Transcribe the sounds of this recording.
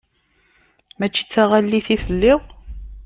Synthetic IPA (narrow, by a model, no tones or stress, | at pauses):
mæt͡ʃːi̥t͡sːaʁalːiθiθəlːɪʁ